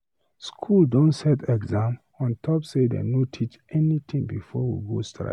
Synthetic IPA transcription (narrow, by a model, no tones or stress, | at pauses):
skʰuldɔ̃nsɛtɛɡzãm | ɔ̃ntʰɔpsedḛnotʰit͡ʃɛnit̪ʰĩŋbifɔwḭɡostʰɹa̰